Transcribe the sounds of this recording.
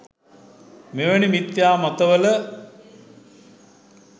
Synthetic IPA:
meʋanimit̪jaːmat̪əʋələ

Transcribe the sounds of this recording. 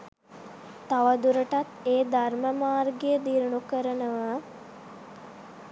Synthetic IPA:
t̪aʋəd̪uɾəʈat̪eːd̪arməmaːrɡejəd̪iːɾuɳukəɾənəʋə

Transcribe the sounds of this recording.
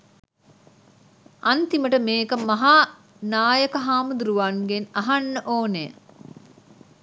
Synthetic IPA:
ɐnt̪iməʈəmeːkəmɐɦaː | naːjəkəɦaːmud̪uɾuʋaŋɡenɐɦanːəʔoːne

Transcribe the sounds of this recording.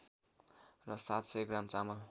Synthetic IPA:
rʌsat̪seɡramt͡samʌl

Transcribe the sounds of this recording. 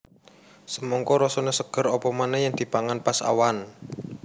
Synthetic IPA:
səmɔŋkɔɾɔsɔnesəɡ̥ə̤ɾɔpɔmanɛjaŋd̪̥i̤paŋanpasa̰wan

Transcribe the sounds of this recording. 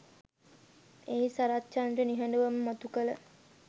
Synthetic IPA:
eisaɾat͡ʃːanʈəniɦɐɳɖəʋəməmat̪ukələ

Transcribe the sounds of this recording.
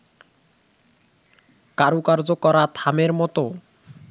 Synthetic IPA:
kaɾukaɾd͡ʑokɔɾat̪ʰameɾmɔt̪o

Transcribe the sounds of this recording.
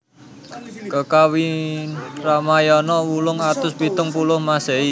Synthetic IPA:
kəkawi | ramajɔnɔwulʊŋat̪ʊsbi̤t̪ʊŋpulʊhmasei

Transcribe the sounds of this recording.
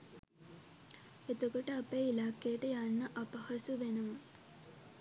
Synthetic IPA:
et̪ukɐʈɐɐpeilaːkːeːʈɐjaːnːɐʔɐpɐhɐsuʋenɐmɐ

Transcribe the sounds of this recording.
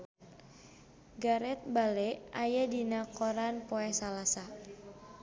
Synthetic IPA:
ɡaɾɛt̪̚balɛʔajadinakɔɾanpoɛsalasa

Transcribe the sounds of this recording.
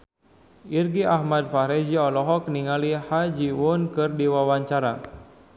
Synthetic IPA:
irɡiʔahmad̚faɾɛd͡ʒiɔlɔɦɔkniŋalihad͡ʒiwʊnkɨrdiwawaɲt͡ʃaɾa̰

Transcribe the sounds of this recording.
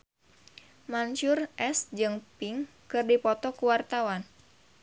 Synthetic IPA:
mant͡ʃʊrʔɛsd͡ʒɨŋpɪŋ | kɨrdipɔt̪ɔkuwart̪awan

